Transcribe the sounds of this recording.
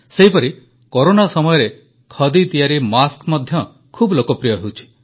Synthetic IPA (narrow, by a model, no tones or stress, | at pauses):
seɦipɔɾi | koɾonasɔmɔjɔɾe | kʰɔd̪it̪ijaɾimaskmɔd̪ʱjɔ | kʰublokɔpɾijɔɦewt͡ʃʰi̥